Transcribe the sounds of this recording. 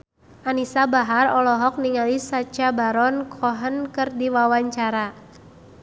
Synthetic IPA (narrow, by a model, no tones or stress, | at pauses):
ʔanisabaɦarɔlɔɦɔk̚niŋalisat͡ʃabaɾɔnkʰɔɦənkɨrdiwawaɲt͡ʃaɾa